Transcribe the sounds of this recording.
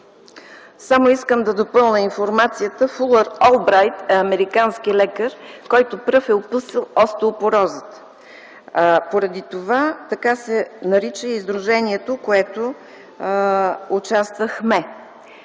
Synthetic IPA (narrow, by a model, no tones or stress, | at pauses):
samoiskəmd̪ɐd̪opɤlˠnʲəinfoɾmat̪sijət̪əfulˠəɾɔlˠbɾajt̪ɛɐmɛɾikanskilɛkəɾkɔjt̪opɾɤfɛopusəlˠɔst̪oʊpoɾɔzət̪ | poɾɐd̪it̪ovat̪ɐkasɛnɐɾit͡ʃəizd̪ɾʊʒɛniɛt̪okoɛt̪o | t͡ʃast̪vəxmɛ